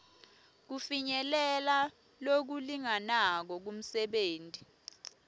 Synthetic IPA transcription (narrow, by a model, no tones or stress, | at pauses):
k̬ufiɲɛlɛla | lok̬uliŋanak̬ɔk̬um̩sɛɓeːntʼi